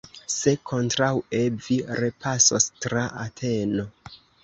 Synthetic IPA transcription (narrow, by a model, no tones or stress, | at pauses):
se̞kʰo̞ntɾawe̞viɾe̞pʰasostɾaʔatʰe̞no̞